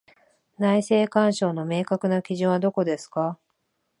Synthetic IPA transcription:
naise̞ːkãɰ̃ɕo̞ːno̞me̞ːkakɯ̟nakʲiʑɨ̃ɰ̃βad̪o̞ko̞d̪e̞sɨ̥ka

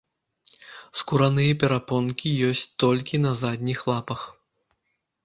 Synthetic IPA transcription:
skuɾanɨjɐpʲɛɾapɔnkʲijɔsʲt͡sʲt̪ɔlʲkʲin̪ɐzad̪ʲnʲixlˠapɐx

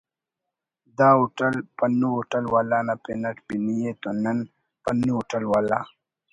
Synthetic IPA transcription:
d̪aːuʈɐlpɐnuuʈɐlwaːlaːnapenɐkbinijet̪onɐn | pɐnuuʈɐlwaːla̰ː

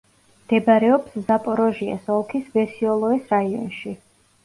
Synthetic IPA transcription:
md̪̥ɛbaɾɛɔpszapʼɔɾɔʒiɛ̰sɔlˠkʰisvɛɾsiɔlˠɔɛsɾaiɔ̰nʃi

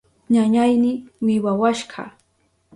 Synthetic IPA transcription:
ɲaɲajnɪwɪwawaʃɢɑ̰

